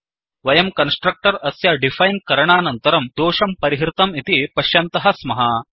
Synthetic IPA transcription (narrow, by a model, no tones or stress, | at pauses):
ʋɐjɐmkɐnsʈɾɐk̚ʈɐɾɐsjɐɖifʰajnkɐɾɐɳaːnɐnt̪ɐɾɐmd̪oːʂɐmpɐɾiɦɾt̪ɐmit̪ipɐʃjɐnt̪ɐɦɐsmɐɦɐ